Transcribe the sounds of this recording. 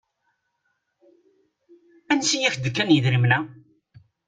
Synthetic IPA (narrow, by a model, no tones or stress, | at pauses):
ænsijæçd̪əkːænjəðɾimnæ